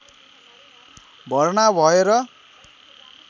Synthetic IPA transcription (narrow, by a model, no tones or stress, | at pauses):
bʱʌrnabʱʌeɾʌ